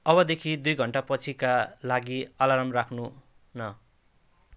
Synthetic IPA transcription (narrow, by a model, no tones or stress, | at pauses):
ʌbʌd̪ekʰid̪ujɡʱʌɳʈapʌt͡sʰikalaɡiʌlaɾʌmrakʰnu | nʌ